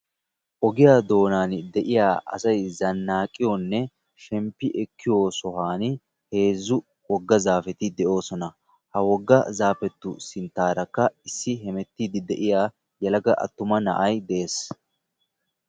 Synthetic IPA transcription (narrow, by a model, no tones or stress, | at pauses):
ʔɔɡɪjaːd̪o̞ːnaːnd̪ɛʔɪjaːʔɐ̰sɐjzɐnːaːkʼːɪjɔnːɛ | ʃɛmpːɪʔɛkʰːɪjoːsɔɦaːn | he̞ːzːʊ | wɔɡːɐzaːfɛt̪ɪd̪ɛʔo̞ːsɔnɐ | hɐwɔɡːɐzaːfɛt̪ːʊsɪnt̪ːaːɾɐkːɐɪsːɪɦɛmɛt̪ːiːd̪ɪd̪ɛʔɪjaː | jɐlɐɡɐʔɐ̰t̪ːʊmɐnɐ̰ʔɐjd̪ɛʔeːs